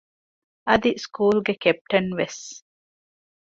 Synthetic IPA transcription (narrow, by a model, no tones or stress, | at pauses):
ɐd̪iskuːlɡekep̚ʈɐnʋes